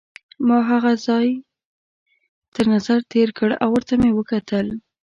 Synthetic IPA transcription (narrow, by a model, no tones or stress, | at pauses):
mɑɦaɣazɑj | t̪əɾnazaɾt̪eɾkəɽa̰wːəɾt̪amewəkat̪ʰəl